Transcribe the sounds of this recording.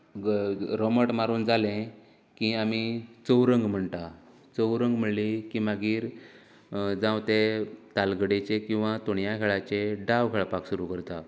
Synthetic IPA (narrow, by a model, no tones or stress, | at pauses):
ɾoməʈmaɾuːnd͡zalẽ | kĩamit͡səwɾəŋɡm̤əɳt̪a | t͡səwɾəŋɡm̤əɳlikĩmaɡiːɾ | d͡zãwt̪et̪alɡəɽet͡ɕekĩw̃ʋat̪oɳjakʰeɭat͡ɕeɖaʋɡʱəɭpaksuɾukəɾt̪a